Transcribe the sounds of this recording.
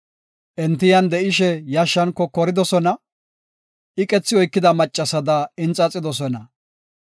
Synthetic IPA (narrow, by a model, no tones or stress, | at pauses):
ʔɛnt̪ɪjɐnd̪ɛʔɪʃɛjɐʃːɐnkːɔkɔɾɪd̪ɔsɔnɐ | ɪkʼɛt͡sːɪɔjkːɪd̪ɐmɐt͡ʃʼːɐsɐd̪ɐɪnt͡sʼɐt͡sʼɪd̪ɔsɔnɐ